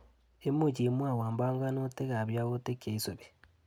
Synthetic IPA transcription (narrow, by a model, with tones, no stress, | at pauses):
e˦mo˦˨t͡ʃi˨˦mwa˦˨waː˨mba˦ŋɡa˦no˦te˦ɣa˨βja˦ɣo˦te˦ke˨i˦so˨βe˨